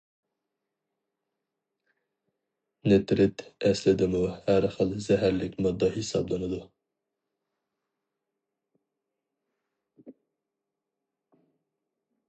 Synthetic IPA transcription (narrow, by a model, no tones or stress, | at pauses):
nɪt̪ɾɪt̪ɛslɪd̪ɪmuhæɾχəlˠzɛɦæɾlɪkʲmɑd̪ːɑhisɑ̰blˠɑnɨd̪u